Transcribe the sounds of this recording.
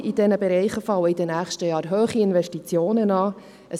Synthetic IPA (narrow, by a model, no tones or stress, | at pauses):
id̥ɛnəbɛɾɛɪχəfɑwəid̥ənæːχʃtəjɑːɾɦøːχiɪnvɛʃtit͡sjoːnənɑː | ʔə